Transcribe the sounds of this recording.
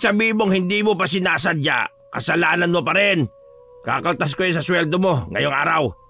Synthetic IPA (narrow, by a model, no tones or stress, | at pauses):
sɐbiːɪmoŋhɪnd̪imopɐs̬ɪnaːs̬ad̪̚ɲa̰ | kɐ̰sɐlaːnanmopɐɾɪn | kakɐlt̪as̬kojonsɐswɛld̪omo̞ŋɐ̰joŋʔa̰ːɾaw